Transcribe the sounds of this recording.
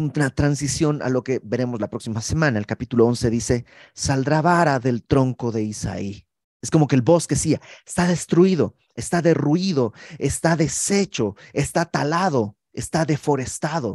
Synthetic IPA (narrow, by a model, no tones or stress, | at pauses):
unat̪ɾansisjo̞na̰lo̞ke̞be̞ɾe̞mo̞zlapɾo̞ksimase̞mãnaelkapit̪ulo̞o̞nse̞ðise̞ | sald̪ɾaβaɾaðe̞lt̪ɾo̞ŋko̞ðe̞isa̰i | e̞sko̞mo̞keːlβo̞ske̞siaest̪aðe̞st̪ɾuiðo̞ | e̞st̪aðe̞rwiðo̞est̪aðe̞se̞t͡ʃo̞est̪at̪alaðo̞ | est̪aðe̞fo̞ɾe̞st̪aðo̞̰